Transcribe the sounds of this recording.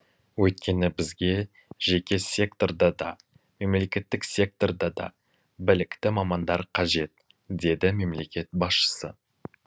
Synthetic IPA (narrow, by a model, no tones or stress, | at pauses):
wɵt̪̚kʲe̞nɪbɪzɡʲe̞ | ʒe̞kʲe̞sʲe̞kt̪o̞rd̪ɑd̪ɑ̰ | me̞mle̞kʲe̞t̪ːɪksʲe̞k̚t̪o̞rd̪ɑd̪ɑ̰ | bɪlɪkt̪ɪmɑmɑnd̪ɑɾqʰɑʒe̞t̪̚ | d̪e̞d̪ɪme̞mle̞kʲe̞t̪̚bɑsʃə̥sə̰